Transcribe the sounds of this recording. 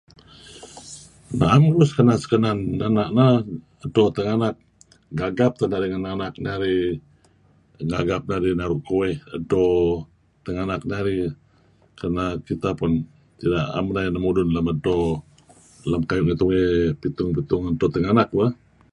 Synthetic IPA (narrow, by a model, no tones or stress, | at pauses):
na̰ʔamɾʊskənasə̥kənanːanaʔ̚na | ədɔt̪əŋanak̚ | ɡaɡap̚t̪ənaɾiŋənanak̚naɾi | ŋɡaɡap̚naɾinaɾʊʔkuwɛhədɔ | t̪əŋanak̚naɾi | kənakit̪apʊn | t̪idaʔa̰mnajnamudʊnləmədɔ | lamkajʊʔŋət̪uŋɛpit̪ʊŋpit̪ʊŋədɔt̪əŋanak̚wa